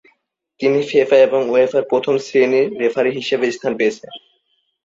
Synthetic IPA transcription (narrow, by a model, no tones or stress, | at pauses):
t̪inifefaeboŋoefaɾpɾot̪ʰomsɾeniːefʰaɾiɦiʃebest̪ʰanpeet͡ɕʰen